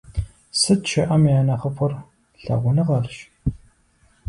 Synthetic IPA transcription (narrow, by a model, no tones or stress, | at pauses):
sɨtt͡ʃʰɐʔɐmjaːnɐχəpʰʊr | ɬɐ̰ʁʷʊnɨʁɐrʃ